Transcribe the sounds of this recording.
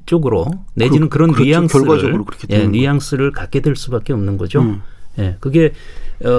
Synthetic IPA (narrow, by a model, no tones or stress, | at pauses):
t͡ɕ͈oɡɯɾone̞d͡ʑinɯnkɯɾʌnːijaŋ͈ɯɡwaɯɭɾɯkʰjenijaŋs͈ɯɾɯɭkak͈e̞dweɭs͈ubak͈̚e̞ʌmnɯnɡʌd͡ʑoje̞kɯɡe̞ʌ